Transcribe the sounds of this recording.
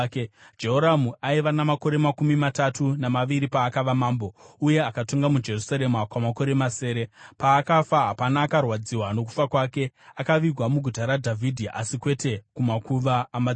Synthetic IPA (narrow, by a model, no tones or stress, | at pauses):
d͡ʒe̞ɦoɾamuaiʋanamako̞ɾe̞makumimatatunamaʋiɾipaːkaʋamaːmbo̞uje̞akato̞ŋɡamud͡ʒe̞rusaɾe̞makwamako̞ɾe̞mase̞ːɾe̞paːkafaɦapanaːkarwad͡ziwano̞k̬u̥fakwaːke̞akaʋiɡʱwamuɡʱutaɾadʱavʱidʱiʔasikwe̞te̞kumakuʋaːma